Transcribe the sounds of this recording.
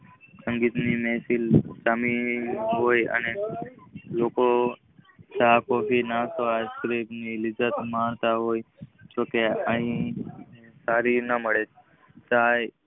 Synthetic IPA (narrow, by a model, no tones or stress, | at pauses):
sə̃ŋɡiːt̪nimeːsilt͡ʃəmiɦoːjə̰ne | loːko | t͡ʃaːkoːfinasoaskɾepnilɪd͡ʒət̪mãːɳt̪aɦoːjt͡ʃoːkeəɦĩ | saːɾinəməɽe | t͡ʃaː